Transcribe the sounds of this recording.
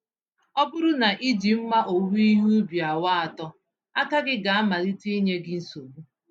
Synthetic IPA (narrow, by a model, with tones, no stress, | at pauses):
ɔ˦bʊ˦ɾʊ˦na˨ʔi˦d͡ʒi˨m̩˦ma˦ʔo˨wu˦i˦ɦu˦bi˨a˨wa˦a˨tɔ˦ | a˦ka˦ɡɪ˦ɡa˨a˦ma˨ɾi˦ti˦ɲe˦ɡɪ˦n̩˦so˨bu˦